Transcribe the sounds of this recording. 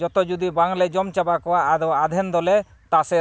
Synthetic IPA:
d͡ʒɔt̪ɔd͡ʒud̪ibaŋlɛd͡ʒɔmt͡ʃabakɔwaːdɔad̪ʱɛnd̪ɔlɛ | t̪asɛ

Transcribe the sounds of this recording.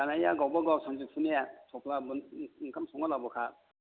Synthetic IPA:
anaja̰ɡawbaɡasʰɔŋzuk̚sʰɯnijasʰɔpʰlabunkʰamsɔŋalawbakʰa

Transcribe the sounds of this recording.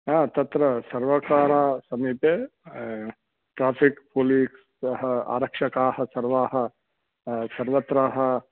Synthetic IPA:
ãːt̪ɐt̪ɾɐsɐɾʋɐkaːɾaːsɐmiːpeː | ʈɾaːpʰikpoːliːks | ɦɐa̰ːɾɐkʂɐkaːhɐsɐɾʋaːɦɐ | sɐɾʋɐt̪ɾaːɦɐ̆

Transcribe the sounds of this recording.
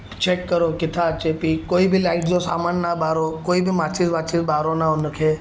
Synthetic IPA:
t͡ʃekːəɾokɪt̪ʰat͡ʃepikːoːibʱilaɪʈd͡ʒosamanːabaɾokoːibʱimat͡ʃisʋat͡ʃisbaːɾonaʊnəkʰe

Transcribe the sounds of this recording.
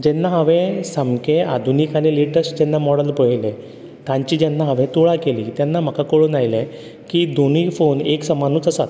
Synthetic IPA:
d͡ʑɛnːaɦəʋẽsəmkẽad̪ʱuniːkañiliʈəsd͡ʑɛnːamɔɽəlpəɭlẽ | t̪ãɲt͡ɕiːd͡ʑɛnːaɦaʋẽt̪oɭakeliːt̪janːam̤əkakoɭonajlẽ | kiːd̪onifoneksəmanuːt͡səsat̪

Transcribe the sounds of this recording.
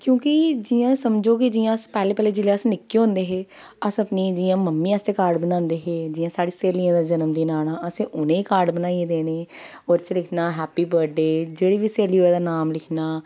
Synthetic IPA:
kjõːkid͡ʒiːjãːsəmd͡ʒoːkɪd͡ʒiːãːəspɛːleːpɛːleːd͡ʒɪleəsnɪkːeːɦõnd̪eːɦeː | əsəpniːd͡ʒiːãːməmːiːəst̪eːkaːɾɖbənãːnd̪eːɦeːd͡ʒɪːjãːsaːɽiːseːlijãːd̪aːd͡ʒənəmd̪iːnaːnaːəsẽːʔʊnẽːiːkaːɾɖbənaːied̪eːneː | oːɾt͡ʃlɪkʰnaːɦɛːpiːbəɾɖeːd͡ʒeːɽiːʋiːseːliːoed̪aːnaːmlɪkʰnaː

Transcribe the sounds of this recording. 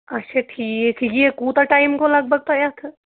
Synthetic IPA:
ɐtːʃʰaʈʰiːekʰikekuːt̪aʈaːɪmkolɐɡ̚bʱəɡ̚t̪ajat̪ʰɐ

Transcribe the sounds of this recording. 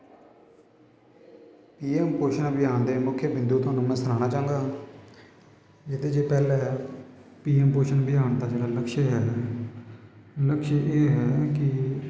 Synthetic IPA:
piːɛːmpoːʃənbɪjaːnd̪eːmʊkʰːjəbɪ̃nd̪uːt̪ʊɦaːnũːmɛ̃ːsəɾaːnaːt͡ʃãːŋɡaː | d͡ʒɪt̪eːd͡ʒeːpɛːlɛː | piːɛːmpoːʃənbɪjaːɳt̪aːd͡ʒeːɽaːləkʃeɦɛː | ləkʃeʔeːɦɛːkɪ

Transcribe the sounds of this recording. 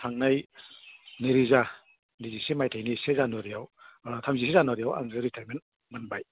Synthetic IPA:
tʰaŋnaj | niɾiza | nizisemajtʰajnisezanɔɾijawtʰamzis̬ezanɔɾijawa̰ŋɯɾitʰaɾmen | manbaj

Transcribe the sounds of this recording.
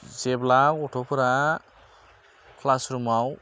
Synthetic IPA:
zeblakoʈʰopʰuɾa | kʰlasɾumaw

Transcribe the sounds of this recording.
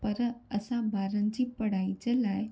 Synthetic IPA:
pəɾəəsãbaɾə̃nt͡ɕiːpəɽajt͡ɕelaj

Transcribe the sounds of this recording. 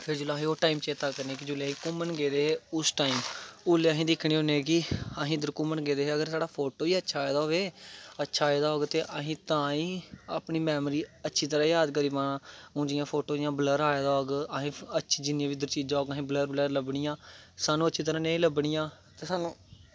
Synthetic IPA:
pʰɪɾd͡ʒʊlaːɦiːoːʈaːiːmt͡ʃeːt̪aːkəɾnẽːkid͡ʒʊlaːɦĩːkʊmənɡeːd̪eːɦeːʊsʈaːimʊlːeːaɦĩːd̪ɪkʰɳiːɦõːneːkiəɦĩːd̪əɾkʊmənɡeːd̪eːɦeːəɡəɾsaːɖaːpʰoːʈoːiːətːʃʰaːed̪aːɦoːʋeːətːʃʰaːed̪aːɦoːɡt̪eːʔəɦĩːt̪ãːĩːa̰ːpniːmɛːmɾiːətːʃʰiːt̪əɾãːjaːd̪kəɾiːpaɳãːʊ̃ːd͡ʒɪjãːpʰoːʈoːɪjãːbələɾaːd̪aːoːɡəɦĩːətːʃʰiːd͡ʒɪnːãːʋiːd̪əɾt͡ʃiːd͡ʒãːoːɡɦĩːbələɾbələɾləbɳɪjãːsaːnũːətːʃʰiːt̪̬əɾãːnẽĩːləbɳiːjãː | t̪eːsaːnũː

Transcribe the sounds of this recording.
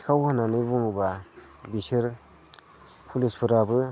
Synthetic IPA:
kʰawhananɯbuŋbabisiɾ | pʰulispʰɯɾabɯ

